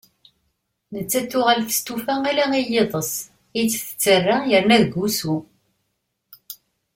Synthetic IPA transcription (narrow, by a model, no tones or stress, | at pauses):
nət͡sːæθʊʁəlθə̥st̪ufæalæijeðˤəs | it͡sːθə̥t͡sːərːajəɾnæðɡusu